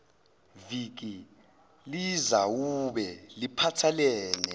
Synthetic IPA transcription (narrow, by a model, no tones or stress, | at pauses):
vik̬i | lizawuɓɛlipʰatʰalɛːnɛ